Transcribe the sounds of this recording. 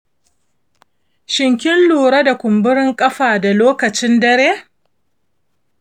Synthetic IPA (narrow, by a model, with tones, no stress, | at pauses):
ʃɪ˨ŋkʲɪ˦nluː˨ɽa˦da˨kʷʊ˨mbʊ˦ɾɪ˦ŋkʼɐ˦ɸaː˨da˨loː˦kɐ˨t͡ʃɪ˦ndɐ˦ɾeː˦